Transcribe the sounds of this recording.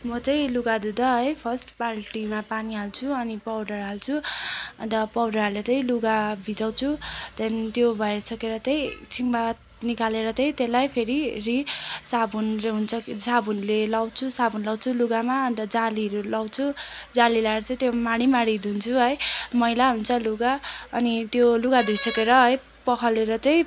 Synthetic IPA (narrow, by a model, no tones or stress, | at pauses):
mʌt͡sʌj̃luɡad̪ud̪ʌɦʌjpʰʌsʈparʈimapaniɦalt͡sʰuʌnipawɖʌrɦalt͡sʰuʌnt̪ʌpʌwɖʌlet͡sʌj̃luɡabʱid͡zaw̃t͡sʰut̪ʌnt̪jobʱʌesʌkeɾʌt͡sʌj̃t͡sʰimbat̪ | nikaleɾʌt͡sʌj̃t̪elajpʰeɾirisabunleɦunt͡sʰʌksabunlelawt͡sʰusabʱunlawt͡sʰuluɡamaʌnt̪ʌd͡zaliɾulawt͡sʰud͡zalilaɾʌt͡sʌĩt̪jomaɽ̃imaɽ̃id̪ʱunt͡sʰuɦʌjmʌjlaɦunt͡sʰʌluɡaʌnit̪joluɡad̪ʱujsʌkeɾʌɦʌj | pʌkʰʌleɾʌt͡sʌj̃